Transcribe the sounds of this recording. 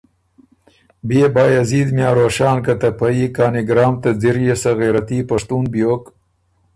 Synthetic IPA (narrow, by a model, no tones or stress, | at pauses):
biebɑːjaziːd̪mjaːɾoːʃɑːnkɐt̪ɐpɐikaːniɡɾɑːmt̪ɐd͡ziɾjesɐɣeːɾɐt̪ipɐʂt̪uːnbjoːk